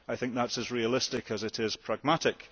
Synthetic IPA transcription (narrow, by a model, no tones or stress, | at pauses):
aɪθɪ̃ŋk̚ðatsəzɹiəlˠɪstɪkʰəzɪʔɪz̥pʰɹ̥aɡ̚maʔɪk